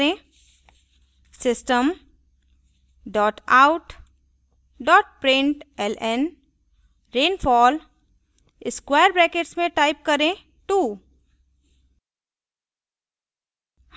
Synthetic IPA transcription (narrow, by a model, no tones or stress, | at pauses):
ẽ | sɪsʈəm | ɖɔːʈaːʊʈ | ɖɔːʈpɾɪ̃ɳʈɛlɛn | ɾẽːnfɔːl | ɪskweːəɾbɾɛːkeʈsmẽʈaːɪp̚kɐɾẽ | ʈuː | h